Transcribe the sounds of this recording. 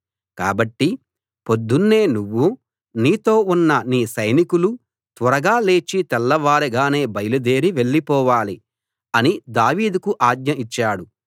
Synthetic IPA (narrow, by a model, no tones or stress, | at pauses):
kaːbɐʈːi | po̞d̪ːunːe̞ːnuʋːu | niːt̪o̞ːunːɐniːsɐjnikulu | t̪ʋɐɾɐɡaːle̞ːt͡ʃit̪ɛlːɐʋaːɾiɡaːne̞ːbɐjɐlud̪e̞ːɾiʋe̞ɭːipɔːʋaːli | ɐnid̪aːʋiːd̪ukuʔaːd̪ɲɐit͡ʃːaːɽu